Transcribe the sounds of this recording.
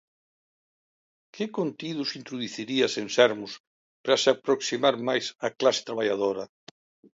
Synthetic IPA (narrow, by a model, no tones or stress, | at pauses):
kɪkont̪iðʊsint̪ɾuðuθiɾiɐsensɛɾmʊs | pɾɐsɪapɾoksimaɾmajsɐklasɪ̥t̪ɾaβ̞aʎað̞oɾɐ